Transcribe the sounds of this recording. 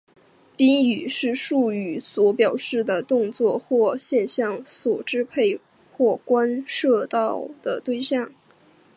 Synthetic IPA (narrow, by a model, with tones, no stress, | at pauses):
pi˥ny˨˩ʂɻ̩˥˧ʂu˥˩y˧˥swɔ˧˥pjɑ˨˩ʊʂɻ̩˥˩d̪ə˩t̪ʊ˥˧ŋt͡swɔ˥˧xwɔ˥˧ɕjɛ˥˧nɕjɑ˥˩ŋswɔ˨˩ʈ͡ʂɻ̩˥pʰe˥˩ɪ | xwɔ˥˩kwa˥nʂɤ˥˧t̪ɑ˥˩ʊd̪̥ə˩t̪we˥˧ɪɕjɑ˥˩ŋ